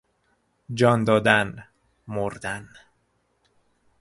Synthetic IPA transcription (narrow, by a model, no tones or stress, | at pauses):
d͡ʒɒːnd̪ɒːd̪æn | moɾd̪æn